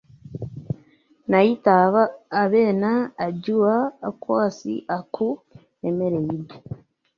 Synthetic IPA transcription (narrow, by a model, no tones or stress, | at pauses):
najitaβaːβe̞ːnaːɟuwakwaːsḭʔakʰu | emeɾejiɾɟe